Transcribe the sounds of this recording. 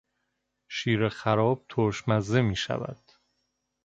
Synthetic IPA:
ʃiːɾexæɾɒːb̥̚t̪ʰoɾʃmæzːemiːʃæ̰væ̰d̪̥

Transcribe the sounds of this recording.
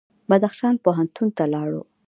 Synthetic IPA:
bad̪axʃɑnpoɦant̪unt̪alɑɽo̰

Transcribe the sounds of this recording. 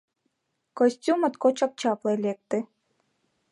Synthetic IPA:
kɔsʲtʲumət̪kot͡ɕɑk̚t͡ɕɑplˠɤlʲek̚t̪ɘ̆

